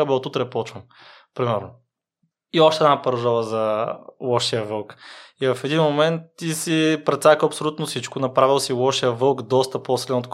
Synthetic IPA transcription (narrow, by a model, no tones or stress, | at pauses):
ɐbɛlˠt̪ut̪ɾɛpˠɔt͡ʃvəm | pɾimɛɾnʊ | iɔʃt̪ɛd̪napɐɾʒɔvəzɐwˠɔʃiəvɤlˠkivɐfɛd̪inmomɛnt̪ːisipɾɛt̪sakəɐpsolʲut̪nʊsit͡ʃkʊnɐpɾavilˠsilɔʃiəvɤlˠkd̪ɔst̪ɐposilɛnot̪k